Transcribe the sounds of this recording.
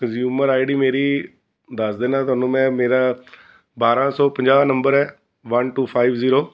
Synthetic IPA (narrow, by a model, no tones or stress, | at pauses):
kəzjuːməɾaːɪɖiːmeːɾiː | d̪əsd̪eːnãːt̪ʊaːnũːmɛ̃ːmeːɾaː | baːɾãːsɔːpəɲd͡ʒaːʋnəmbəɾɛː | ʋənʈuːpʰaːibziːɾoː